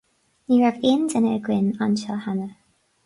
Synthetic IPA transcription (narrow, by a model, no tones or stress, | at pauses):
niɹavɪndənəɡwɪnanʃalˠhanə